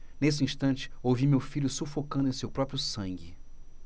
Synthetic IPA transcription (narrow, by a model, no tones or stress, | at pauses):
nes̬ɪĩst̪ɐ̃nt͡ʃɪ̥owvimewfiʎʊsufokɐ̃d̪ʊẽsewpɾɔpɾjʊsɐ̃ŋɡɪ